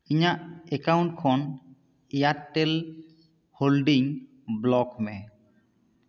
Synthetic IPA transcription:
iɲaʔɛkawnɳʈkʰɔn | ɛjatːɛl | holɖiŋ | blɔkmɛ

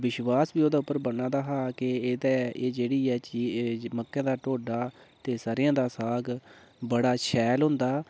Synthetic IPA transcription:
ʋɪʃʋaːsbiːoːd̪aːʊpːəɾbənãːd̪aːɦaːkɪeːd̪ɛːeːd͡ʒeːɽiːɛːt͡ʃiːməkːãːd̪aːʈoːɖaːt̪eːsaːɾɪjãːd̪aːsaːɡ | bəɽaːʃʰɛːlɦʊnd̪aː

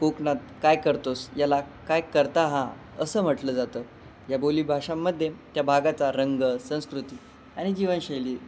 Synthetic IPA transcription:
koknat̪̚kajkəɾt̪osjalakajkəɾt̪aɦã | əsəːm̤əʈləːd͡zat̪əː | jaboliːbʱaʂamːəd̪ʱːjet̪jabʱaɡat͡saɾəŋɡəsə̃w̃skɾut̪iː | aɽ̃id͡ʑiʋənɕejliː

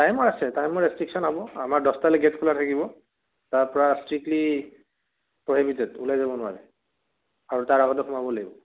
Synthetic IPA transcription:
tajmɔjasɛtajmɔjɹɛstɹiksɔnɦɔbɔamaɹdɔstalɛɡɛtkʰulatʰakibɔ | taɹpɔɹastɹik̚tli | pɹoɦibitɛdulajzabɔnʊwaɹɛ | aɹutaɹaɣɔtɛxumabɔlaɡibɔ

